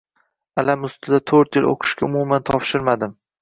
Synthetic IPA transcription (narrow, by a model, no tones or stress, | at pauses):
alamʊst̪ʰɪd̪at̪ʰɵɾt̪jɪlo̰qʰɨ̥ʃkʲaʊmumant̪ʰɒpʃɪɾmad̪ɪm